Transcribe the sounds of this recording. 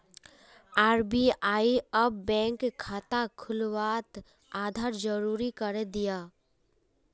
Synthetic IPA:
aːɾbiaːiɐbːɛ̃ːŋkkʰːaːt̪akʰʊlwaːt̪ | aːd̪ʱaːɾd͡ʒəɾuːɾikəɾed̪ijaː

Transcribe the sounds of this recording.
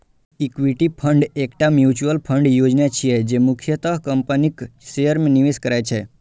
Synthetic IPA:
ikʋiʈipʰəɳɖekʈamjut͡ʃuəlpʰəɳɖjod͡ʒnjat͡ʃʰied͡ʒemukʰjət̪əkəmpəniksejəɾmniʋiskəɾajt͡ʃʰe

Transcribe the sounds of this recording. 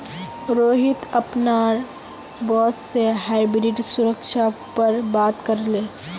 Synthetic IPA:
ɾoːɦɪt̪əpnaːɾ | bɔːsseɦaɪbɾɪʈsʊɾəkʃʰapəɾbaːt̪kəɾleː

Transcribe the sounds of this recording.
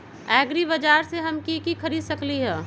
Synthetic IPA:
ɛːɡɾibɐd͡ʒaːɾseɦɐmkikikʰɐɾiːd̪sɐkliɦɛː

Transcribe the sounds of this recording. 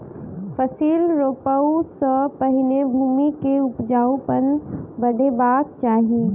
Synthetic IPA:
fəsiːlɾoːpəwsə̃pɐɦɪnebʱuːmikeʊpd͡ʒaːupənbɐɖʱebaːk̪̚t͡ʃaːɦiː

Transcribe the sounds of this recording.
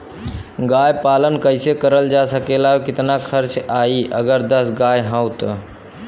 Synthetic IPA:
ɡajpalənkəɪsekəɾəld͡ʒasəkelaɦokɪt̪nakʰəɾt͡ʃaiʔəɡəɾd̪əsɡajɦãwt̪

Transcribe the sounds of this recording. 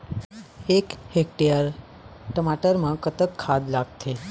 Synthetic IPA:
ekhek̚ʈejəɾ | ʈəmaʈəɾmãkət̪ək̪̚kʰad̪laɡ̚t̪ʰe

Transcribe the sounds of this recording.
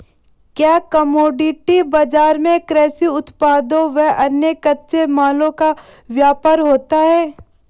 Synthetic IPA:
kjaːkɐmoːɖɪʈibɐd͡ʒaːɾmẽkɾɛːsiʊt̪paːd̪õʋɛɦʔɐnjekɐt̪semaːlõka | ʋjaːpaɾɦoːt̪aɦɛː

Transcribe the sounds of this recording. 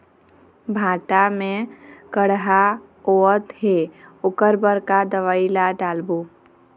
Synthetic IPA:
bʱãːʈamẽkəɽɦa | oət̪ɦeʊkəɾbəɾkad̪əʋaːilaɖaːlbu

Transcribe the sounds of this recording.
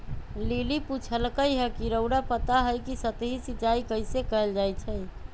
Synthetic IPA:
liliput͡ʃʰəlkəjɦɛkiɾəʊɽapət̪aɦəjkisət̪ɦisit͡ʃaikəjsekəəld͡ʒajt͡ʃʰɛj

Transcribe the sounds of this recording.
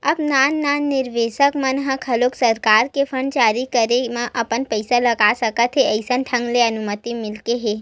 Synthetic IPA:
əpnanːanɪɾʋeʃəkmənɦãkʰəloksəɾkaɾkefʰəɳɖt͡ʃaɾikəɾemãʔəpəɳpəjsaləɡasəkət̪ɦeəjsənʈʰə̃ŋɡleənumət̪imɪlkeɦe

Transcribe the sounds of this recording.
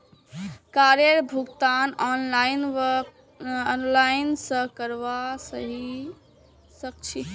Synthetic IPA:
kaɾeɾbʱuɡt̪anɔnlainʋə | ɔnlaɪnsə̃kəɾʋasəɦi | sək̚t͡ʃʰi

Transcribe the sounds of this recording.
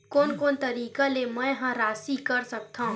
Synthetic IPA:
koːnkoːnt̪ɐɾiːkalemɛ̃ɦãɾaːsikɐɾsɐk̚t̪ʰaɦũ

